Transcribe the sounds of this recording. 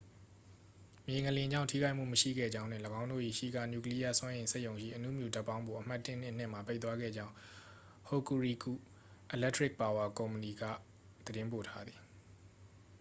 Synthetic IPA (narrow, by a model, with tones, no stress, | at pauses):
mje˨ŋə˨lɪ̃˨ɲd͡ʑã̰˦˨ʊ̃tʰi˦ɡa˦ʔm̥ṵ˦˨məʃḭ˦˨ɡɛ̰˦˨d͡ʑã˦ʊ̃n̥ʰwɪ̃˦˨ləɡã˦ʊ̃ndo̰˦˨ḭ˦˨ʃḭ˦˨ɡa̰˦˨nju˨kəli˦ja̰˦˨swã˦jẽ˨ɪ̃se˦ɪʔjõ˨ʊ̃ʃḭ˦˨ʔənṵ˦˨mjṵ˨ta˦˨pːã˦ʊ̃mbo˨ʔəm̥a˦tːɪ˦˨n̥ɪ̰̃˦˨n̥ɪ̰̃˦˨m̥a˨pe˦ɪt̪wa˦ɡɛ̰˦˨d͡ʑã˦ʊ̃ | ho˨ku˨ɹi˨ku˦˨ | ʔə˨lɛ˦tʰɹɪ˦k̚pa˨wa˨kõ˨ʊ̃mpəni˨ɡä̰˦˨ | d̪̥əɾɪ̃˦mpo˨tʰa˦d̪ði˨